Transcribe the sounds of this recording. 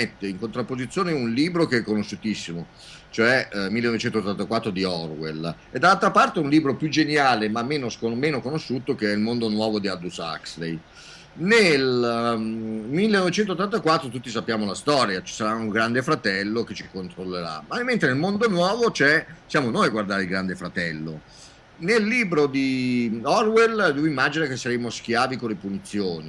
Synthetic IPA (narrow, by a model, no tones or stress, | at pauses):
et̪ːeiŋkont̪ɾapːozit̪sːjoːneunliːbɾokeɛkːonoʃːut̪isːimo | t͡ʃoɛmilːenɔvet͡ʃɛnt̪ot̪ːant̪akwat̪ːɾod̪iɔrwel | ed̪ːalalt̪ɾapart̪eunliːbɾopjud͡ʒenjaːlemamːeːnoskomeːnokonoʃːuːt̪okeɛilmond̪onwɔːvod̪iad̪usa̰kslej | nel | milːenːɔvet͡ʃɛnt̪ot̪ːant̪akwat̪ːɾot̪ut̪ːisapːjaːmolast̪ɔːɾjat͡ʃi̥saɾauŋɡɾand̪efɾat̪ɛlːoket͡ʃi̥kont̪ɾolːeɾa̰maiment̪enelmond̪onwɔːvot͡ʃɛsjaːmonojaɡward̪aːɾeilɡɾand̪efɾat̪ɛlːo̰ | nelːiːbɾod̪iɔrweld̪ɛvimːaːd͡ʒinak̟esːaɾemosk̟jaːvikolepunit̪sːjoːni